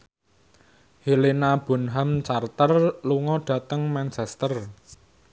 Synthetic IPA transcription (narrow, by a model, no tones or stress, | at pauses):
hilinab̥ɔ̤nɦamt͡ʃart̪ərluŋɔɖ̥ä̤t̪əŋmant͡ʃɛst̪ər